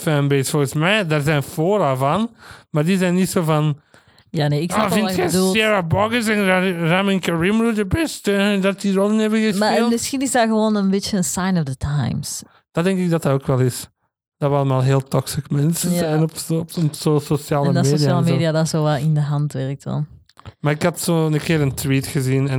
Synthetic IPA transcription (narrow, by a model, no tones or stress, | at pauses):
fɛnbesfɔɹɣəsmɛjdaɹzɛnfoːɾavɑnmaːrdizɛjnːitsovɑn | janeːɪksavɪnxɛdulsɛɹabɔɡəsɛnramɪnkəɹimɹudəbɛstədɑt̚dirolˠɪnɛbəɣəsmaeːlˠmɪsxinɪzdaɣəʋoːnənbɪt͡ʃəənsajnɔvdətʰajms | d̥ɑdɛŋkɪɡ̚dɑtɑoːkʋɛlˠɪs | d̥ɑʋəɑlˠəmaːlˠɦeːlˠtɔksikmɛnsənzɛjnɔpɔpɔpsososjaːlˠəndmseːoiaaːlˠəmeːdiadasoːʋɛlˠɪndəɦɑntʋɛrk̚tdɑ̰n | maɾɪkɑtsoənəkɪːɾəntwiːtxəzinɛn